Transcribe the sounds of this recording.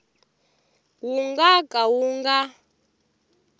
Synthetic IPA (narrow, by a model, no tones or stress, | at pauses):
wuŋɡakʼawuŋɡa